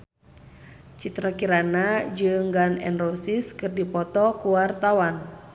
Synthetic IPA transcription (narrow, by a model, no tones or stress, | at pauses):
t͡ʃit̪ɾakiɾanad͡ʒɨŋɡanɛ̰nrɔsiskɨrdipɔt̪ɔkuwart̪awan